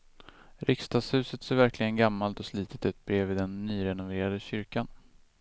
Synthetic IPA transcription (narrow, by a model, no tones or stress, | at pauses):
ɾɪkst̪ɑːɡshʉ̟ːsət̪seːɾvæɾklɪɡənɡamːalt̪ɔsliːt̪ʰət̪ɛt̪̚bɾeːvɪd̪ɛnːyːɾɛnʊveːɾad̪əɕʏɾkan